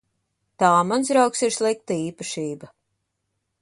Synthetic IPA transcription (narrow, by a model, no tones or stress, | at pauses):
t̪aːmansɾawksiɾslˠik̚t̪aiːpaʃiːba